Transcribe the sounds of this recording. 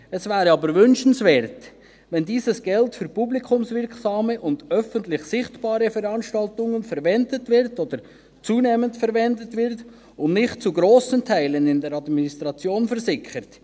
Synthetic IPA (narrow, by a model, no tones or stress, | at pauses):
ɛsvæːɾəɑːbəɾvʏnʃən̩svɛːɾt | vɛndiːsəsɡ̥ɛltfyɾpublikʰʊmsvɪɾksɑːməʔʊnd̥œfəntlɪçsɪχtb̥ɑːɾəfɛɾɑnʃtɑltʊŋənfɛɾvɛndətvɪɾtoːd̥̪əɾ | t͡suːneːməntfɛɾvɛndətvɪɾt | ʊnnɪχtt͡suɡɾoːsəntʰaɪlənɪndɛɾɑdminist̪ʁɑt͡sjoːnfɛɾsɪkət